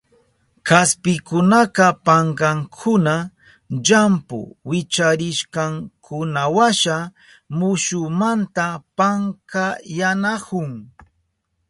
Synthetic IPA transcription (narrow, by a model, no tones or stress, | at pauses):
kaspɪkʊnaqɑpaɴɢɑŋkʰʊna | ʎampʊ̰wɪt͡ʃaɾɪʃkɑŋkʰʊnawaʃa | mʊʃʊmant̪apaŋkajanakʊŋ